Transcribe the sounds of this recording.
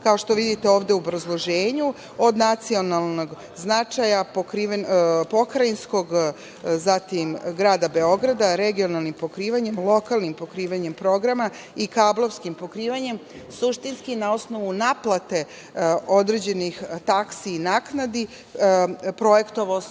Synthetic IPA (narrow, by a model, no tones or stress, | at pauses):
kao̞ʃt̪o̞ʋid̪it̪e̞o̞ːʋd̪euobɾazlˠo̞ʒeːɲu | o̞d̪nat̪sio̞nalˠno̞ɡ | znat͡ʂajapokɾiːʋnpo̞kɾainsko̞ɡ | zat̪imɡɾaːd̪abe̞o̞ɡɾad̪aɾe̞ɡio̞nalˠnimpo̞kɾiːʋaɲe̞mlˠo̞kalˠnimpo̞kɾiːʋaɲe̞mpɾo̞ɡɾama | ikablˠo̞ʋskimpo̞kɾiːʋaɲe̞m | suʃt̪inskinao̞sno̞ʋunaplˠat̪e̞ | o̞d̪ɾe̞d͡ʑe̞nixt̪aksiːnaknad̪i | pɾo̞jekt̪oʋo